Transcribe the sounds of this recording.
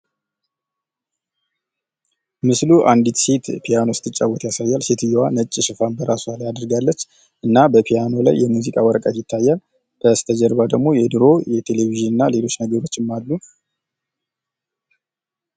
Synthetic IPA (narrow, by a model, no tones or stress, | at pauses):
mɨsluʔand̪it̪se̞t̪pʰijano̞st̪ʰːɨt͡ʃʼːawːɔt̪jasajːalse̞t̪ʰɨjːɛwanət͡ʃʼːiʃɨfanbəɾʔasualjad̪əɾɡalːət͡ʃː | ʔɨnːabəpʰijano̞la̰jːɛmuzikʼawɔɾəkʼat̪jɪt̪ʰːajːal | b̥əst̪ʰəd͡ʒɛɾbad̪əɡmo̞jɛd̪ɨɾo̞jɛt̪ʰe̞leβiʒɨnɨnːale̞lo̞t͡ʃːnəɡəɾo̞t͡ʃːɪmalːu